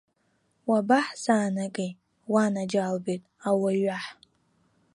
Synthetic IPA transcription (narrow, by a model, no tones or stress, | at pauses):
wabaħzaːnakʼej | wanad͡ʒalbejtʼawaɥaħ